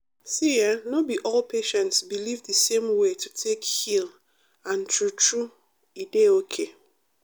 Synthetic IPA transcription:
sijanobiʔɔlpʰeʃɛ̃ntsbilivdɨsẽmwetʰutʰekhil | ãntɹutɹu | ideokʰe

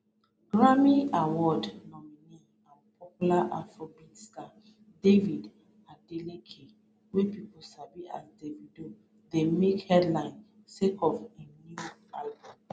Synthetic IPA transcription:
ɡ̥ɹamiawɔdnɔmini | ãnpɔpulaʔafɹɔbitsta | devid | adelekʰe | wepiposabia̰sdevido | demekhɛdlãɪ̃n | sekʰɔfĩnualbɔ̃m

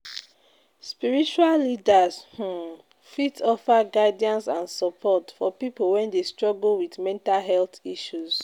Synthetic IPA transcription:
spiɹit͡ʃuallidashũ | fitʰɔfaɡadiɔ̃nsãnsɔpʰɔtfɔpipowɛ̃ndestɹɔɡl̩wiθmɛ̃ntalɦɛlθiʃuz

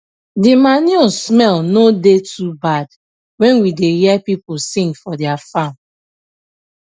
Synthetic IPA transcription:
dimanɔsmɛlnodetʰubad | wɛ̃nwidejɛpiposĩŋɡfɔdɛafam

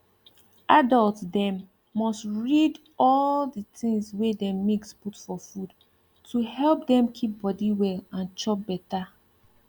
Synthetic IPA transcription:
ʔadɔltdɛ̃mː | ɔstɹid | ɔldətĩŋswedɛ̃mmiksputfɔfud | tʰuhɛlp̚dɛ̃mkʰip̚bɔdiwɛlãnt͡ʃɔp̚bɛta

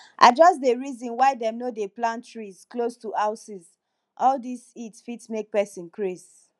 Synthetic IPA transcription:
ʔa̰d͡ʒɔsdeɹizɔ̃nwaɪdɛ̃mnodeplãntɹizklostuhaʊsiz | ʔɔldisitsfitsmek̚pɛsĩnkʰɹez

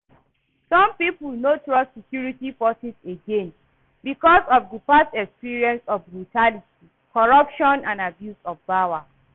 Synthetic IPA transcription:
sɔ̃mpipulnotɹɔssekjuɹitifɔsiseɡẽn | bikɔsɔvdipastɛkspiɹiɛ̃nsɔfbɹutʰaliti | kɔɹʌpʃɔ̃nãnabjusɔfbawa

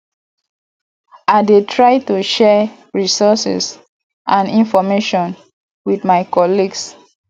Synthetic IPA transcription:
aɪdetʰɹaɪtuʃɛ | ɹisɔsḭs | ʔãnĩnfɔmeʃɔ̃n | wiθmaɪkɔliɡs

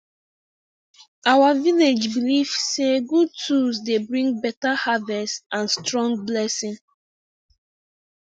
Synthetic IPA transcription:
awaviled͡ʒbiliv̥seɡud̚tʰusdebɹĩŋ̚bɛtahavɛstãnstɹɔ̃ŋɡ̚blɛsĩŋ

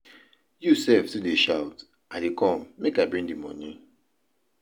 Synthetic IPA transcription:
jusɛftudeʃaʊt | adekʰɔ̃mːekaɪbɹĩŋdimɔ̰̃nĩ

